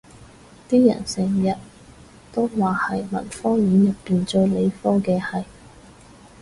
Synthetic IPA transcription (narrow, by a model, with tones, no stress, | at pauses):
t̪iː˥jɐ̰˨˩nsɛː˨˩ŋjɐ˨t̚ | t̪o˥wwaː˨˩hɐ˨jmɐ̰˨˩nfɔː˥jiː˨˥njɐ˨tpːiː˨nt͡sɵ˧ɥle˨˧jfɔː˥kɛː˧hɐ˨j